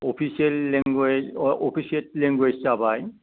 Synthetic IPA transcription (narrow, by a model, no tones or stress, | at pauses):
opʰiselːiŋɡeopʰisietliŋɡwed͡ʒsabaj